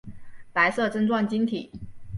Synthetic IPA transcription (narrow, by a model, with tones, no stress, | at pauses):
pa˧˥ɪsɤ˥˩ʈ͡ʂə˥nʈ͡ʂwɑ˥˩nt͡ɕi˥ŋt̪ʰi˨˩˦